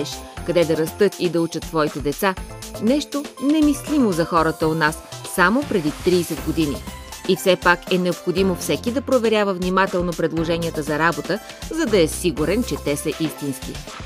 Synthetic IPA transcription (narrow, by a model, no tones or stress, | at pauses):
ɛʃkɐd̪ɛd̪ɐɾɐst̪ɤt̪id̪ɐut͡ʃət̪sːvɔit̪ɛd̪ɛt̪sanɛʃt̪onɛmislimozɐxɔɾət̪əonasːamopɾɛd̪it̪ɾiːsɛd̪ɡod̪inḭ | ifsɛpakɛnɛopxod̪imofsɛkid̪ɐpɾovɛɾʲjavəvnimat̪ɛlˠnopɾɛd̪lˠoʒɛnijət̪əzɐɾabot̪ə | zɐd̪ɐɛsiɡuɾɛnt͡ʃɛt̪ɛsɐʔist̪inskḭ